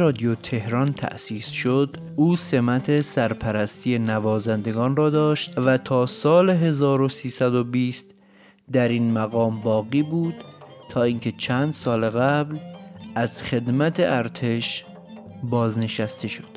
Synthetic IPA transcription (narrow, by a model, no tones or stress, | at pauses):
ɾɒːd̪jot̪ʰe̞hɾɒːnt̪ʰæ̰ʔsiːsʃod̪ | ʔuːse̞mæt̪ʰe̞sæɾpʰæɾæst̪iːenævɒːzænd̪e̞ɡɒːnrɒːd̪ɒːʃt̪væt̪ʰɒːsɒːleɦe̞zɒːɾo̞siːsæd̪o̞biːst̪ | d̪æɾiːnmæɣɒːmbɒːɣiːbuːd̪̥t̪ʰːɒːiːŋcʰe̞t͡ʃʰænd̪sɒːleɣæblʔæzχe̞d̪mæt̪ʰeʔæɾt̪ʰe̞ʃ | bɒːzne̞ʃæst̪e̞ʃo̞̥d̪̥